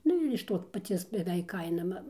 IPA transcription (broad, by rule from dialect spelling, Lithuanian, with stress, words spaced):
ˈnʊ ɪr ɪʃ ˈtoː pɐˈt͡sʲiɛs bʲɛˈʋʲɛɪk ˈkɐɪnɐ mɐ